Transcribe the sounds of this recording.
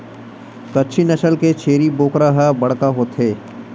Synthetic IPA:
kɐtːʃʰinɐʃəlket͡ʃʰeːɾiboːkɾaɦabɐɽ̤kaɦoːt̪ɦeː

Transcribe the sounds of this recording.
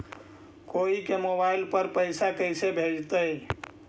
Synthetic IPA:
koikemobailpəɾpəɪsakəɪsebʱed͡ʒt̪əj

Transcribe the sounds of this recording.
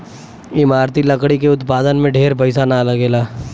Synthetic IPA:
ɪmaːɾt̪ilɐkɽikeʊt̪paːd̪ənmẽɖʱeːɾpɐɪsanalɐɡeːlaː

